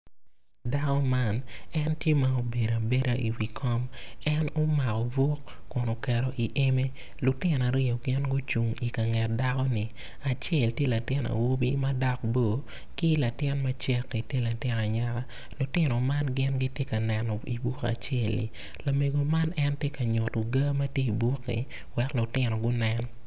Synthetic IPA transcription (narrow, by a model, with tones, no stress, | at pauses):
da˦kɔ˦ma˦nɛ˦ntje˦ma˦o˦be˨da˨be˦ɾa˦ʔi˨wi˨kʰɔ˦mɛ˦no˦ma˨kɔ˨bo˦kːʊ˨no˨kɛ˨ɾɔ˦ʔi˨ʔe˦me˦ | lʊ˨tɪ˦n˨a˨ɾɪ˦o˨ɡɪ˦nɡʊ˦t͡ʃu˨ŋi˨ka˨ŋɛ˨t̚da˦kɔ˦ni˨ | a˨t͡ʃe˦˨ltje˦la˨tɪ˦na̰˨wo˦bi˦ma˦dɔ˦k̚bo˦˨ | ki˦la˨tɪ˦nma˦t͡ʃɛ˦kːi˨tje˦la˨tɪ˦na˨ɲa˦ɾa˦ | lʊ˨tɪ˦nɔ˨ma˦nɡɪ˦nɡi˦tje˦ka˨nɛ˨nɔ˨ḭ˨bu˦ka̰˨t͡ʃe˦˨lːḭ˨ | la˨me˨ɡo˨ma˦nɛ˦ntje˦ka˨ɲʊ˨tu˨ɡa˦mɐ˦tje˦i˨bu˦kːḭ˨ | wɛ˨klʊ˨tɪ˦nɔ˨ɡʊ˦nɛ˦n